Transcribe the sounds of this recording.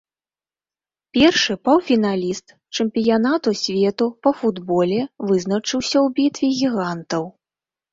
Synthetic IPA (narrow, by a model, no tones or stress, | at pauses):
pʲɛrʂɨpɐwfʲinalʲist̪ | t͡ʂɨmpʲijanat̪usʲvʲɛt̪upɐfud̪bɔlʲɛvɨznɐt͡ʂɨwsʲɐwbʲit̪vʲiɣʲiɣant̪ɐw